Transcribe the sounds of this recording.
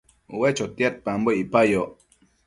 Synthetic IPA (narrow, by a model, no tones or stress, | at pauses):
uwet͡ʃot̪jat̪̚pamboipajo